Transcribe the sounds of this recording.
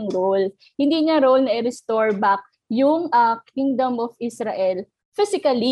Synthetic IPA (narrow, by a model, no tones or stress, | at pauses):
ŋɾol | hɪnd̪iːɲɐɾowlnɐʔɪɾɛst̪oɹbak̚ | jʊŋʔɐkiŋd̪ɐmʔɔfisɾɐʔɛl | fɪsɪkɐli